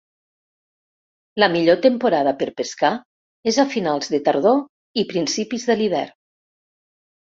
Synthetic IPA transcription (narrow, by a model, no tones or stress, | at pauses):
ləmiʎot̪empoɾaðəpəɾpeska | ezafinalˠzðət̪əɾð̞o | ipɾinsipizðəliβɛ̰ɾ